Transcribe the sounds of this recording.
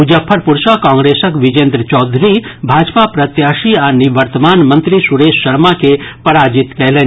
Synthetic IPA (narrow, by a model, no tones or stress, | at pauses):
ud͡ʒəpʰːəɾpuɾʃakãːŋɡɾeːsəkʋid͡ʒẽnd̪ɾət͡ʃɔːd̪ʱɾibʱaːd͡ʒpapɾɐt̪jaːʃianiʋəɾt̪əmaːnmɐ̃nt̪ɾisuɾeːʃːɐɾmakepɐɾaːd͡ʒit̪kɛɦle